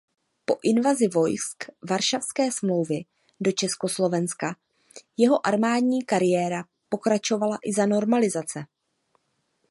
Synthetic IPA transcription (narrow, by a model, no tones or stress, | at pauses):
po̞ʔɪnvazɪvo̞jskvaɾʃafskɛːsmlo̞wvɪ | do̞t͡ʃɛsko̞slo̞vɛnska | jɛɦo̞ʔaɾmaːdɲiːkaɾɪjɛːɾa | po̞kɾat͡ʃo̞valaʔɪzano̞ɾmalɪzat͡sɛ